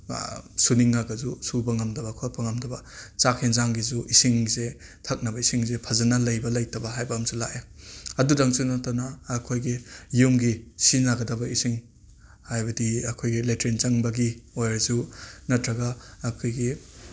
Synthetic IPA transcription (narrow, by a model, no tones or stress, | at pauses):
suniŋːaɡɐzusubɐŋɐmdɐbɐkʰot̚pʰɐŋɐmdɐbɐt͡ʃakʰenzaŋɡizuʔisiŋze | tʰɐk̚nɐbɐisiŋzepʰɐzɐnɐlɐjbɐlɐjtʰɐbɐɦajbɐːmsula̰ʔeɐdudaŋsunatanɐːkʰojɡijumɡisinaɡɐdɐbɐisiŋ | hajbɐdiɐkʰojɡiletɾent͡ʃɐŋbɐɡiojɾzunɐtɾɐɡaːkʰojɡi